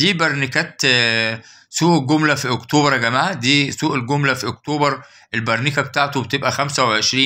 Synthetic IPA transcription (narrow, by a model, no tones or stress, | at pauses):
d̪iːbæɾˤnikæːt̪ | suːʔɡomlæfiʔokt̪oːbɾˤɑɡæmaːʕæd̪iːsuːʔelɡomlæfiʔok̚t̪oːbɑɾˤ | ʔelbɑɾˤniːkæbet̪aːʕt̪obet̪ebʔæxæmsæweʕeʃɾiːn